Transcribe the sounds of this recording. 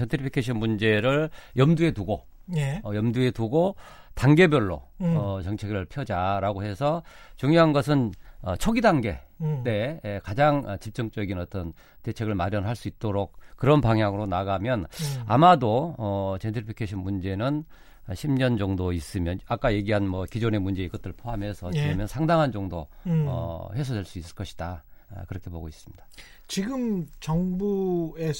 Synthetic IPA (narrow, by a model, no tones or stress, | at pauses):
entʰipʰikʰeɕʰʌnmund͡ʑe̞ɾɯɭjʌmdue̞tuɡo | eʌjʌmdue̞tuɡo | taŋɡe̞bjʌɭːo̰ʌt͡ɕʌŋt͡ɕʰe̞ɡɯɭpʰjʌd͡ʑaɾaɡoɦesʰʌt͡ɕuŋjoɦanɡʌs̬ʰɯnʌ̰t͡ɕʰoɡidaŋɡe̞te̞kad͡ʑaŋʌt͡ɕip̚t͡ɕ͈ʌŋt͡ɕ͈ʌɡinʌt͈ʌn | te̞t͡ɕʰe̞ɡɯɭmaɾjʌnɦaɭs͈uit̚t͈oɾok̚k͈ːɯɾʌnpaŋɦjaŋɯɾonaɡamjʌna̰madoʌt͡ɕentʰipʰikʰeɕʰinmund͡ʑe̞nɯn | ɕʰimɲʌnd͡ʑʌŋdois͈ɯmjʌnak͈aje̞ɡiɦanmʌkid͡ʑone̞mund͡ʑe̞iɡʌt͈ɯɭpʰoɦamɦe̞sʰʌt͡ɕiʌmjʌnsʰaŋdaŋɦand͡ʑʌŋdoʌ̰he̞sʰode̞ɭs͈uis͈ɯ̥ɭk͈ʌɕʰi̥d̥a̰kɯɾʌkʰe̞poɡois͈ɯ̥mɲid̥a | t͡ɕiɡɯmt͡ɕʌŋbue